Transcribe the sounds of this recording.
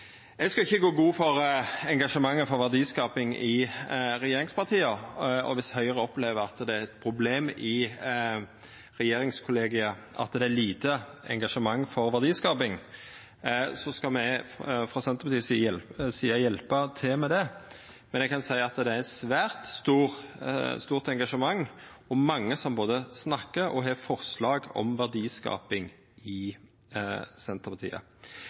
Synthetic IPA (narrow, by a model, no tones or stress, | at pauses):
ɛɡskɑɪçːəɡoːɡuːfɔɾɛŋɡɑʂəmɑŋːəfɔɾʋæʁd̪iːskɑːpɪŋɪɾɛjeːɾɪŋspɑʁt̪ʰiːəɔ̰ʋɪshœʏəʁəɔpleːʋəɾɑt̪d̪ɛæɾɛt̪pʰɾʊbleːmɪ | ɾɛjeːɾɪŋskʰʊleːɡɪɑ | ʔɑ̰t̪d̪ɛæɾliːt̪əɛ̰ŋɡɑʂəmɑŋːfɔɾʋæʁd̪iːskɑːpɪŋ | sɔskɑmɛfʁɑːsɛnt̪əɾpɑt̪iːssiːɑjɛlpət̪ʰɪlmɛd̪ɛ | mɛnɛɡkʰɑnsæɪɑt̪d̪ɛææsʋæːɾt̪st̪uːɾst̪uːʁt̪ɛŋɡɑʂəmɑŋː | ɔmmːɑŋːəsɔmboːd̪əsnɑkːəɾɔ̰ɦɛfɔʁslɑːɡɔ̰mʋæʁd̪iːskɑ̰ːpɪŋ | ɪ | sɛnt̪əʁpɑt̪ʰḭːə̰